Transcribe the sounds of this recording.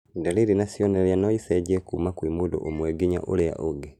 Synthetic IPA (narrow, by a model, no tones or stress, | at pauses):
daliɾinasjoneljanoiseɟekumakwimudo̰ʔomweɡiɲa̰ʔolea̰ʔoɡe